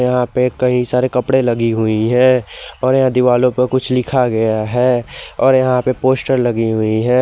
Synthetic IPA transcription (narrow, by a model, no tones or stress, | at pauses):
jɐɦãpekɐɦĩsaːɾekɐpɽelɐɡiɦʊiɦɛ̃ɔːɾjɐɦãd̪ɪʋaːlõpɐɾkʊt͡ʃʰlɪkʰaɡɐjaɦɛːɔːɾjɐɦãpepoːsʈəɾlɐɡiɦʊiɦɛ̃ː